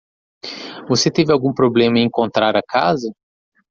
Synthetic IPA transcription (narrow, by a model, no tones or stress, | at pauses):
voset̪evɪawɡũpɾoblẽmɐẽẽkõnt̪ɾaɾɐkazɐ